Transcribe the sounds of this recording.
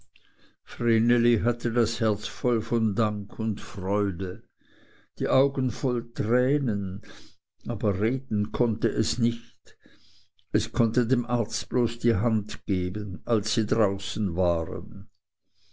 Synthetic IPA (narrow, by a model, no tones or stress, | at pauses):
fʁeneliɦatʰədashɛɐt͡sfɔlfɔndaŋkʰʊntfʁ̥ɔʏdə | d̥iːʔaʊɡənfɔltʁ̥ɛːnən | ʔaːbɐʁeːdn̩kʰɔntəʔɛsnɪçt | ɛskʰɔntədeːmʔaɐt͡st̚b̥loːsd̥iːɦantɡ̥eːbənalsːiːdʁaʊsn̩vaːʁə̰n